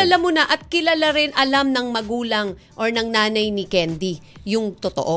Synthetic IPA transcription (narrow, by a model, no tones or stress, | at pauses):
ɐlamʊnaʔɐt̪̚kɪlɐlaɾɪnʔɐlamnɐŋmɐɡuːlɐŋ | ʔoɹnɐŋnaːnɐjnɪkɛnd̪ijʊŋt̪ot̪oʔo